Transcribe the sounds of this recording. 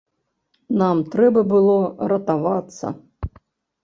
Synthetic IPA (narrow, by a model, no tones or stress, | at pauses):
namt̪ɾɛbɐbɨlˠɔɾɐt̪avat̪sːɐ̰